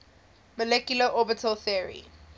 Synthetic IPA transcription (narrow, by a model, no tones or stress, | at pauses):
məlɛkjuləʔɔbitʰəlθiəɹḭ